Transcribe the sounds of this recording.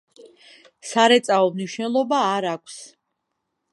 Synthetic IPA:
saɾɛt̪sʼaɔmniʃnɛlˠɔbaːɾakʷʰs

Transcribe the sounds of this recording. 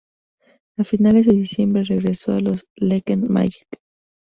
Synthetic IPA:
afinalezðeðisjembɾereɣɾesoaloslekenma̰ji̥k

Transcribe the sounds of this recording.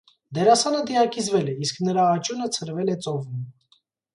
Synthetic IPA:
d̪ɛɾɑsɑnəd̪iɑkizvɛlɛisknəɾɑːt͡ʃunət͡sʰəɾvɛlɛt͡sɔvun

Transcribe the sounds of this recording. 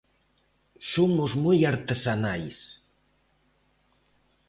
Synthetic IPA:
sumuzmujaɾt̪əzanajs

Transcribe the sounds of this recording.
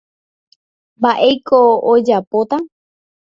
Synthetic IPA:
mbaʔejkʰoːd͡ʒapot̪a

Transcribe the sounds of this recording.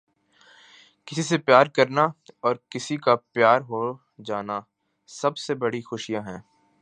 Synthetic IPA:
kɪsisepjaːɾkɐɾnaɔːɾkɪsikapjaːɾɦo | d͡ʒaːna | sɐbsebɐɽixʊʃijãɦɛ̃ː

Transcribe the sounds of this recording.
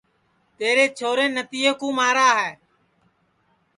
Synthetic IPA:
t̪eːɾeːt͡ʃʰoːɾẽːnət̪iːkũːmaːɾaːɦɛː

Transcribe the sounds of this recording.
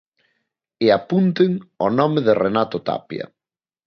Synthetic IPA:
ɪapunt̪ɪŋɔnɔmɪðɪrenat̪ot̪a̰pjɐ̰

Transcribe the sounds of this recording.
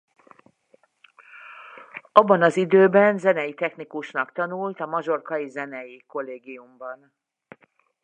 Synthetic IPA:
ɒbːɒnɒzid̪øːbɛnzɛnɛjit̪ɛxnikuʃnɒkt̪ɒnult̪ɒmɒʒo̞rkɒjizɛnɛjiko̞lːeːɡijumbɒn

